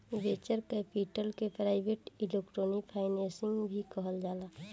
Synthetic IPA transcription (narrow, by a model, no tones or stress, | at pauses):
ʋet͡ʃəɾkɛpiʈəlkepɾaːɪbʱeʈilekʈɾoːnikpʰaːɪnẽsɪŋɡbʱikəɦəld͡ʒaːla